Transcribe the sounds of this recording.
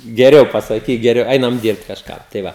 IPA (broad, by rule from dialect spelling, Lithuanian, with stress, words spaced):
ɡʲɛˈrʲɛʊ pɐsɐˈkʲiːk ɡʲɛˈrʲɛʊ ˈɛɪnɐm ˈdʲiːrpt kɐʃˈkɑː tɐɪ ˈʋɐ